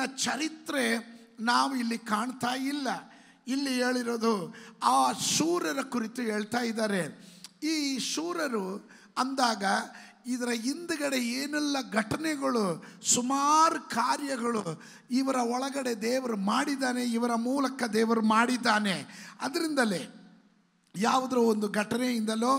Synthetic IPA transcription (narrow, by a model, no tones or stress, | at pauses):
nɐt͡ʃɐɾit̪ɾe̞naːʋuilːikaːɳt̪aːjilːɐ | ilːiɦe̞ːɭiɾoːd̪uaːʃuːɾɐɾɐkuɾit̪uɦe̞ːɭt̪aːjid̪aːɾe̞iːʃuːɾɐɾu | ɐnd̪aːɡɐ | id̪ɐɾɐind̪ɐɡɐɽe̞eːnɛlːɐɡʱɐʈɐnɛɡɐɭusumaːɾukaːɾjɐɡɐɭu | iʋɐɾɐɔɭɐɡɐɽe̞d̪ɛːʋɐɾumaːɽid̪aːne̞iʋɐɾɐmuːlɐkɐd̪ɛːʋɐɾumaːɽid̪ːaːne̞ɐd̪ɐɾind̪ɐleː | jaːʋɐd̪ɐɾuond̪uɡʱɐʈɐneind̪ɐloː